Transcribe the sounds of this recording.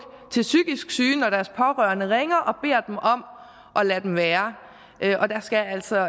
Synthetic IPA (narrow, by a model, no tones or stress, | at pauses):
t͡sʰe̝lsyɡ̥isɡ̥syːnɒɾ̥æɐspʰɒ̽ʁœɐnəʁeŋɐʔɒ̽b̥e̝̰ɐ̰d̥emɒ̽m̰ | ʔɒ̽læd̥emʋæːɐ | ʔøʔɒ̽d̥æsɡ̥ææl̰sɒ̽